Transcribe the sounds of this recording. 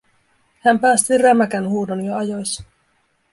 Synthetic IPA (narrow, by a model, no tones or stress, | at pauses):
hæmpæːst̪iræmækænhuːdonjoɑjojs